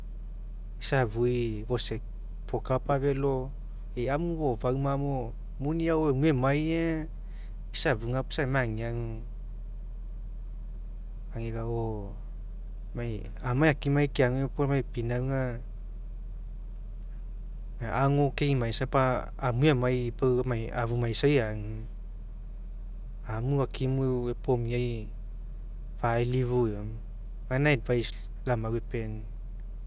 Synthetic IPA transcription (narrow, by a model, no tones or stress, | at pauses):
isaβujβo̞se | pʰokapaβe̞lo̞ | ejamuβovawmamo | muniaoemuemaje | isabuŋapu̥samaŋiaŋ | aŋiβao | maj | amajakimajkeaŋopomajpinawŋa | naaŋokeŋmajsapaː | mujamajpamaja̰βumajsajaŋ | amuakʰimuwepomiaj | fajliβuam | ɡanaadvajs | lamaɡwepen